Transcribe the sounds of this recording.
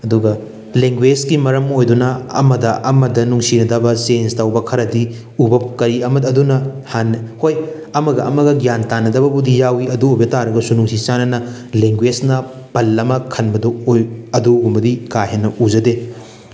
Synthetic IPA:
ɐduɡɐ | leŋɡwed͡ʒkimɐɾɐmojdunɐɐ̰mɐdɐʔɐmɐdɐnuŋsinɐdɐbɐsenstawbɐkʰɐɾɐdi | ubɐp̚kɐɾiɐmɐdːdunɐhanhoj | ɐmɐɡɐʔɐmɐɡɐɡjantanːɐdɐbɐbudijawiɐduojbɐtaɾɐɡɐsunuŋsit͡ʃanɐnɐ | leŋɡwed͡ʒnɐ | pɐlːɐmɐkʰɐnbɐduojɐduɡumbɐdikajɦenːɐʔuzɐde

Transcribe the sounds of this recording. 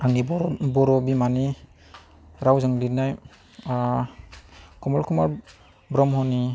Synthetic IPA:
aŋnibɔɾɔbimani | ɾawzɯŋlinaj | kʰɔmalkʰumaɾ | bɾɔmhɔni

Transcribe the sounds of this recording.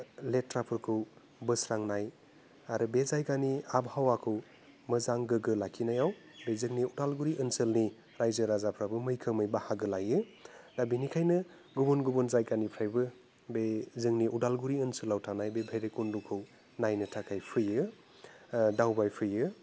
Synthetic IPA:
letɾapʰɯɾkʰɯw | bɯsɾaŋnaj | aɾubezajkaniabhawakʰɯw | mɯzaŋɡɯɡɯlakʰinajaw | bezɯŋniudalɡuɾiʔɯnsɯlni | ɾajzɯɾazapʰɾabɯmɯjkʰɯmɯjbahaɡɯlajɯdabinikʰajnɯ | ɡubunɡubɔnzajkanipʰɾajbɯ | bezɯŋniʔudalɡuɾiɯnsɯlawtʰanajbebʱeɾekundukʰɯw | najnɯtʰakʰajpʰɯjɯ | dawbajpʰɯjɯ

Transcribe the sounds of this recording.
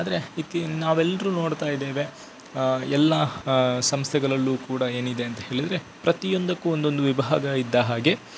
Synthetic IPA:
aːd̪ɐɾe̞it̪ːinaːʋɛlːɐɾuːno̞ːɽt̪aːjd̪eːʋe̞ | ɛlːɐsɐmst̪ʰɛɡɐɭɐlːuːkuːɽɐeːnid̪e̞ɐnt̪ɐɦe̞ːɭid̪ɐɾe̞ | pɾɐt̪ijond̪ɐkːuond̪o̞nd̪uʋibʱɦaːɡɐid̪ːɐɦaːɡe̞

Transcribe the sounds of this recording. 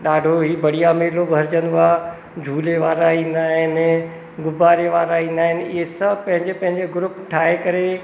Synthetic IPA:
ɗaːɖʱoɦiːbɐɽ̤ijameːlobʱɐɾd͡ʑənd̪ʊa | d͡ʑʱuːleʋaːɾaĩːnd̪aːɦɪn | ɡʊbaːɾeʋaːɾaĩːn̆d̪aːɦɪnɪɪ̰ɦesɐbʱpɐ̃ɦɪ̃ɲd͡ʑepɐ̃ɦɪ̃ɲd͡ʑeɡʊɾʊpʈʰaːɦekɐɾe

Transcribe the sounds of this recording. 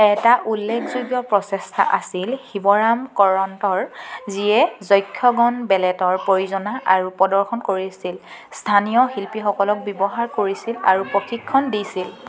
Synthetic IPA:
ɛtaʔulːekʰzuɡjɔpɹɔsɛstʰa̰ʔasilxibɔɹamkɔɹɔntɔɹziɛzɔjkʰːɔɡɔnbɛlɛtɔɹpojuzɔnaʔaɹupɔdɔɹxʰɔnkoɹisilstʰanijɔxilpixɔkɔlɔk̚bɔbɔɦaɹkoɹisila̰ɹupɹoxʰikʰːɔndisil

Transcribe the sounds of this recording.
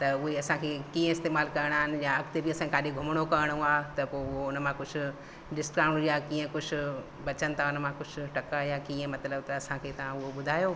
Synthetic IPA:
t̪ɐʊɦeɐsãkʰekĩːə̃ɪst̪eːmaːlkɐɾəɽ̃aːɦɪnɪ̆jãɐkt̪ebʱiɐsãkekaːɗiɡʱʊməɽ̃okɐəɽ̃ũaːɦt̪ɐpoːʊɦoʊnmãkʊd͡ʑʰʊ̆ | ɖɪsʈkaːɽ̃ijakiːə̃kʊd͡ʑʱʰʊ̆ | bɐt͡ɕənɪ̆t̪ʰaʊnmãkʊd͡ʑʰʊ̆ʈɐkajãkiːə̃mɐt̪ləbt̪ɐːsãkʰeːt̪ɐʋ̤ãʊɦoɓʊd̪ʱaːjoː

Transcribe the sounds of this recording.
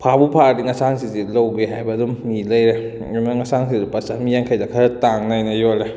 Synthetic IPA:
pʰabupʰadiŋasaŋsizilowɡeɦajbɐdumniləjɾe | maŋasaŋsidipasamijaŋkʰajdakʰaɾtaŋnajnajɔle

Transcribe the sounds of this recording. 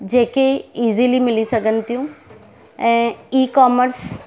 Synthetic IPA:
d͡ʒeːkeiːzilimɪlisəɡənt̪jũ | ɛ̃ːiːkɔːməɾs

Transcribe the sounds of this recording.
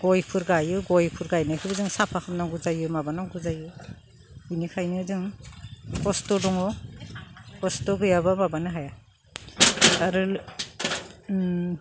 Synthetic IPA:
ɡ̥ɔjpʰuɾɡajɯɡɔjpʰuɾɡajnakʰɯɡɯzɯŋsapʰakʰamnaɡuzajɯmabanaŋɡuzajɯ | inikʰajnɯzɯŋ | kɔstɔdɔŋɔ | kɔstɔɡɯjabamabanɯɦaja | aɾɯl

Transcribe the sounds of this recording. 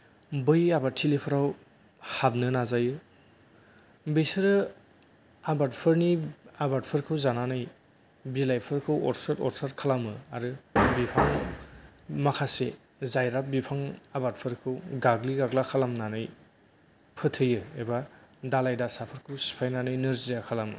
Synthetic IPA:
bɯjabatʰilepʰɯɾaw | hab̚nɯnazajɯ | besɯɾɯ | abat̚pʰɯɾniabat̚pʰɯɾkʰɯwzananɯj | bilajpʰɯɾkʰɯwɔ̰ɾsaɾtɔ̰ɾsaɾkʰalamɯaɾɯbipʰaŋ | makʰase | zajɾap̚bipʰaŋabat̚pʰɯɾkʰɯwɡaɡliɡaɡlakʰalamnanɯj | pʰɯtʰɯjɯebadalajdasapʰɯɾkʰɯwsi̥pʰajnanɯjnɯɾzijakʰalamɯ̰

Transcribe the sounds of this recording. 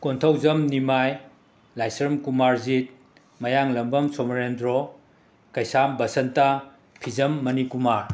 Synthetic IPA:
kontʰɐwzɐmnimaj | lajsɾɐmkumaɾzit̚ | mɐjaŋlɐmbɐmsɔmɾendɾɔ | kɐjsambɐsɐnta | pʰizɐmːɐnikumaɾ

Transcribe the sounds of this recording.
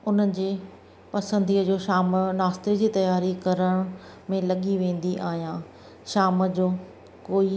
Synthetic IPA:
ʊnən̆d͡ʑeː | pɐsə̃nd̪iːəd͡ʑoːʃaːmnaːst̪ed͡ʑiːt̪ɐjaːɾikɐɾəɽ̃ | mẽlɐɠiʋẽːn̆d̪iʔaːɦijãː | ʃaːmd͡ʑoː | koːi

